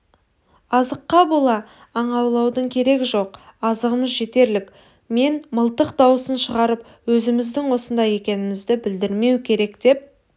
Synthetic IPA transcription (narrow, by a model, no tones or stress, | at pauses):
ɑzəqːɑbo̞lˠɑː | ɴɑwlˠɑwd̪əɴkʲʰe̞ɾe̞ɡʲɪʒo̞qɑzəʁəməzʒe̞t̪e̞ɾlɪk | me̞nməlˠt̪əqd̪ɑwəsənʃəʁɑɾəp | wɵzɪmɪzd̪ɪŋwo̞sənd̪ɑje̞kʲe̞nɪmɪzd̪ɪbɪld̪ɪɾme̞wkʲʰe̞ɾe̞kd̪̥e̞p̚